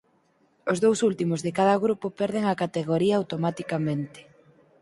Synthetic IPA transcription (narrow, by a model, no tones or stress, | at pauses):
ozðowsult̪imʊzðɪkaðɐɣɾupopɛɾðeŋakat̪eɣoɾiaːwt̪omat̪ikamẽnt̪ɪ̥